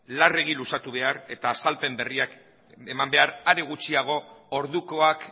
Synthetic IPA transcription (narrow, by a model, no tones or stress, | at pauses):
lare̞ɣ̞ilusat̪uβ̞e̞aɾe̞t̪aːsalpe̞mbe̞riak | emambe̞aɾaɾe̞ɣ̞ut͡ʃiaɣ̞o̞oɾðuko̞ak